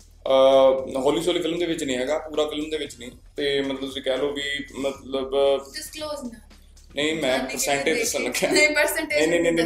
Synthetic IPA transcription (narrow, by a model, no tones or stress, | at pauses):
əɦoːliːsoːliːfʰɪlmd̪eːʋɪt͡ʃnĩːɦɛːɡaːɡɾãːfʰɪlmd̪eːʋɪt͡ʃnĩː | t̪eːmət̪ləbt̪ʊsĩːkɛːloːʋiːmət̪ləbkloːz | nəĩːmɛ̃ːpəɾsɛ̃ːɳʈeːd̪ɪsə̃ləɡʰʱɛ̃ːəɾsɛɳʈenẽːnẽnẽ